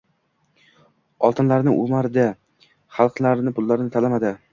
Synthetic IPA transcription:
ɒlˠt̪ɪnlaɾnɪ̰ʔumaɾɪd̪a | χɑlˠqnlaɾɪnɪpʰʊlˠːaɾɪnɪt̪ʰalamad̪ɪ

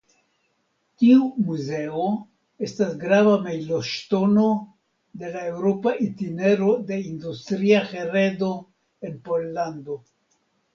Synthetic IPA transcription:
tiumuze̞o | e̞stasɡɾavamejloʃto̞no̞ | de̞lae̞wɾo̞paʔintine̞ɾo̞de̞industɾiaxe̞ɾedo̞ | e̞npo̞lːando̞

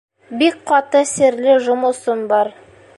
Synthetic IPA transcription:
bik̚qɑt̪əsɘ̆ɾlɘʒŏmɤ̆sɤnbɑɾ

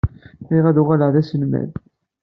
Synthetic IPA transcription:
iʁæðʊʁaləʕðæsənmæ̰ð

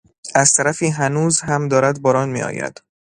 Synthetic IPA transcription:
æz̥t̪ʰæɾæfiːɦænuːzhæmd̪ɒːɾæd̪bɒːɾɒːnmḭːɒ̰ːjæ̰d̪̥

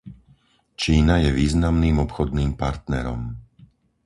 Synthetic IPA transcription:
t͡ʃiːnajɛʋiːznamniːmɔpxɔd̪niːmpaɾt̪nɛ̰ɾɔ̰m

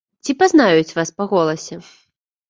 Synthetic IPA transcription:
t͡sʲipaznajut͡sʲvaspaɣɔlˠɐsʲɛ

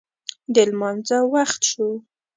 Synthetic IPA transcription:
d̪əlmɑnzawaxt̪ʃu

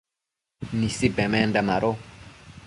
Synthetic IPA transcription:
nisibɛ̃mɛ̃ndamaɾo

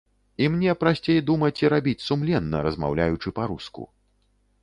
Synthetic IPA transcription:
imnʲɛpɾasʲt͡sʲejd̪umɐt͡sʲiɾabʲit͡sʲsumlʲɛnːɐ̰ɾɐzma̰wlʲajut͡ʂɨpaɾuskṵ

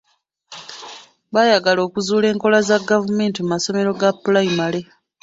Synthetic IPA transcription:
βajaɡalo̞ːkuzuːle̞ːŋko̞lazaɡavume̞ːntimumaso̞me̞ɾo̞ɡapːulaimale̞

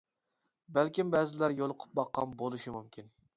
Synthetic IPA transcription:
bælkʲimbɛzɪlæɾjolˠʊqʰʊ̥p̚bɑqːɑnbolˠuʃimumkʲʰin

